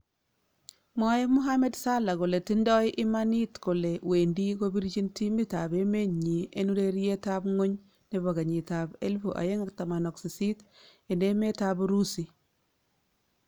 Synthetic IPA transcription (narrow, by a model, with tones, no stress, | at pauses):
mɔ˦je˦mu˦ɦa˦me˦dsa˦la˨ko˨le˨ti˦ndɔ˦ɪ˦ʔɪ˦ma˦ni˦tko˨le˨we˨ndi˦ko˦bi˦ɾt͡ʃi˦nti˦mi˦ta˨be˦me˦ɲi˨e˦nu˦ɾe˦ɾi˦je˦ta˦bŋo˦ɲ | ne˦βa˨ɡa˨ɲi˨ta˨be˦lfo˨ʔa̰˨je˦ŋa˨k̚ta˨ma˨nɔ˨ksi˨si˦te˨ne˦me˦ta˦bɾu˦si˨